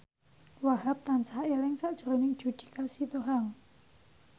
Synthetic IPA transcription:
wahap̚t̪ansaaʔeɾɪŋsaʔd̥ʒ̥ɔ̤ɾonɪŋ̥d͡ʒ̥ud̪̥i̤̥kasit̪oɦaŋ

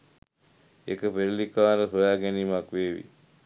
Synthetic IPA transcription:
ekəpeɾlikaʋɾəsojaːɡeniːmakʋeːʋḭ

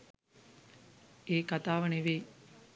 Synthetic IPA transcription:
eːkat̪aːʋəneʋej

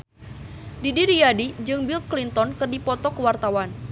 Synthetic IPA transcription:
didiɾijadid͡ʒɨŋbil̚klint̪ɔnkɨrdipɔt̪ɔkəwart̪awan

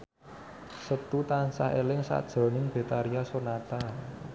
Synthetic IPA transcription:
sət̪ut̪ansa̰helɪŋsa̰d̥ʒ̥ɾɔ̤nɪŋb̥e̤t̪aɾiasonat̪a

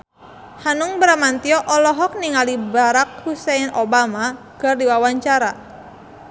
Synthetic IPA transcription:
hanʊŋbɾamant̪iɔʔɔlɔɦɔk̚niŋalibaɾak̚husɛnʔobama | ɡ̥ardiwawaɲt͡ʃaɾa

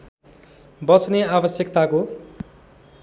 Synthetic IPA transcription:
bʌt͡sʰneabʌsjʌkt̪ako

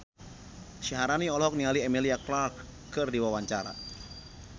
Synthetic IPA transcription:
ʃiɦaɾaniɔlɔɦɔk̚nialiɛmiliaklar | kɨrdiwawaɲt͡ʃaɾa̰

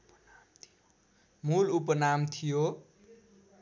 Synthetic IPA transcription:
mulupənamt̪ʰijo

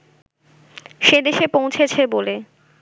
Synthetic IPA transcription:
ʃed̪eʃepõw̃t͡ɕʰet͡ɕʰebole

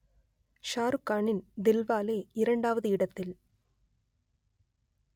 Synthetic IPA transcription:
ʃaːɾɯkːaːɳɪnd̪ɪlʋaːleːɪɾɐɳɖaːʋɐðɯɪɽɐt̪ːɪl

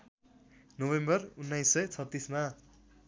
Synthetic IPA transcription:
nobembʌrunːajsːʌjt͡sʰʌt̪ːisma

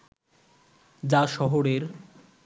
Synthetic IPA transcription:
d͡ʑaʃɔɦoɾeɾ

